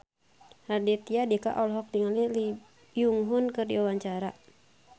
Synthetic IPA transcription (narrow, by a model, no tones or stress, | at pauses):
radɛt̪iadiaka̰ʔɔlɦɔk̚diŋanlili | juŋɦunkɨrdiwawaɲt͡ʃaɾa̰